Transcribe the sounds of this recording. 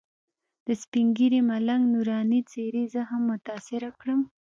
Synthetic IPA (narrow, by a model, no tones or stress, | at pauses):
d̪̥əspiŋɡiɾemalaŋɡnuɾɑnit͡seɾezəhamːʊt̪ɑsɪɾakɽəm